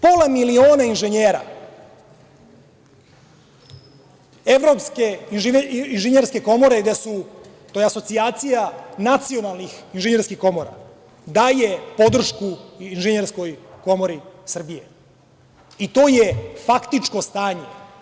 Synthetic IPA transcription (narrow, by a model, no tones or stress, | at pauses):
polˠamilio̞ːnainʒeɲeːɾa̰ | e̞ʋɾo̞pskeininʒeɲeɾske̞ko̞mo̞ɾe̞ɡd̪esu | t̪oːjeaso̞t̪siaːt̪sijanat̪sio̞nalnixinʒeɲeɾskixko̞mo̞ɾa̰ | d̪aːjepo̞d̪r̩ʃkuinʒeɲeɾsko̞jko̞mo̞ɾisr̩bije | it̪o̞ːjefakt̪it͡ʂko̞st̪aːɲe̞